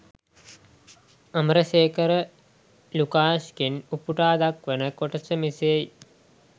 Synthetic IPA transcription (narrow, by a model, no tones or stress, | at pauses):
ɐməɾɐʃeːkɐɾə | lukaːʃkinupuʈaːd̪akʋənəkoʈɐt͡ʃəmisej